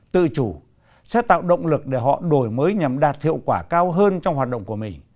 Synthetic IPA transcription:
t̪ɨ̰˧˨t͡ɕu˧˩ | sɛ̰˧˥t̪a̰ː˧˨wɗə̰˧˨wŋ͡mlɨ˨˩k̚ɗe˧˩ɦɔ̰˧˨ɗo˧˩jməː˨˦jɲa˨˩mɗaː˨˩t̚hḭ˧˨əwkwaː˧˩kaː˧wɦəː˧nt͡ɕɔ˧wŋ͡mhwaː˨˩t̚ɗə̰˧˨wŋ͡mku˧˩əmï˨˩ŋ̟

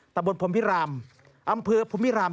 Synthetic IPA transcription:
t̪a˧mbo˧npʰo˨˩˦mpi˦˥ɾaː˧m | ʔa˧mpʰɯː˧pʰo˨˦mpʰi˦˥ɾaː˧m

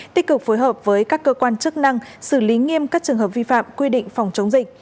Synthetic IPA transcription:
t̪ï̟˦˥kɨ˨˩k̚fo˨˦jɦəː˨˩p̚vəː˨˦jkaː˦˥kːəː˧kwaː˧nt͡ɕɨ˦˥ək̚na˧ŋsɨ˧˩li˨˦ŋi˧əmkaː˦˥k̚t͡ɕɨ˨˩əŋɦəː˨˩p̚vi˧fa̰ː˧˨mkwi˧ɗḭ̈˧˨ŋ̟fa˨˩wŋ͡mt͡ɕə˨˦wŋ͡mzï˨˩k̟̚

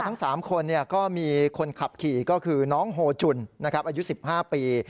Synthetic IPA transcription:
a˦˥ŋsaː˩˦mkʰo˧nːi˥˩ɐkɔː˥˩miː˧kʰo˧nkʰa˨˩p̚kʰiː˨˩kɔː˥˩kʰɯː˧nɔː˦˥ŋɦoː˧t͡ɕu˧nna˦˥kʰɾa˦˥p̚ʔaː˧ju˦˥si˨˩p̚haː˥˩piː˧

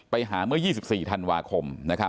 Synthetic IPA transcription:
pa˧jɦaː˩˦mɯ˥˩əjiː˥˩si˨˩p̚siː˨˩t̪ʰa˧nwaː˧kʰo˧mna˦˥kʰa˦˥

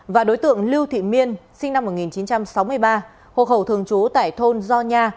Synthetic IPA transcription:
vaː˨˩ɗo˨˦jt̪ɨ̰˧˨əŋli˧wt̪ʰḭ˧˨mi˧ənsï˧ŋ̟na˧mːo˨˩t̚ŋi˨˩nt͡ɕi˨˦nt͡ɕa˧msa˨˦wmɨ˧əjɓaː˧ | ho̰˧˨ɦə˧˩wt̪ʰɨ˨˩əŋt͡ɕu˨˦t̪a̰ː˧˨jt̪ʰo˧nzɔ˧ɲaː˧

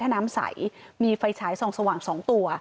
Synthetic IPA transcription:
aː˥˩naː˦˥msa̰˩˦jmiː˧fa˧jt͡ɕʰaː˩˦jso˨˩ŋsa˧waː˨˩ŋsɔː˩˦ŋt̪u˧ɐ

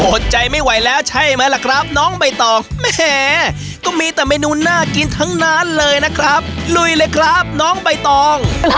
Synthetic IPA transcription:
oː˨˩t̪̚t͡ɕa˧jma˥˩jwa˨˩jlɛː˦˥wt͡ɕʰa˥˩jmaː˧jla˨˩kʰɾa˦˥p̚nɔː˦˥ŋba˧jt̪ɔː˧˩ŋmɛː˥˩ | kɔː˥˩miː˧t̪ɛː˨˩ma˧˥˧jnuː˧nːaː˥˩ki˧nt̪ʰa˦˥ŋnaː˦˥nlɤː˧jna˦˥kʰɾa˦˥p̚lu˧˩jlɤː˧˩jkʰɾa˦˥p̚nɔː˦˥ŋba˧jt̪ɔː˧ŋ

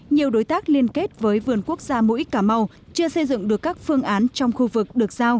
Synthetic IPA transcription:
ɲi˨˩əwɗo˨˦jt̪aː˦˥k̚li˧ənke˦˥t̚vəː˨˦jvɨ˨˩ənku˦˥ək̚z̥aː˧mṵ˧˥˦jkːaː˧˩ma˧w | t͡ɕɨ˧əsə˧jzɨ̰˧˨ŋɗɨ˨˩əkːaː˦˥k̚fɨ˧əŋʔaː˨˦nt͡ɕɔ˧wŋ͡mxu˧vɨ˨˩k̚ɗɨ˨˩ək̚z̥aː˧w

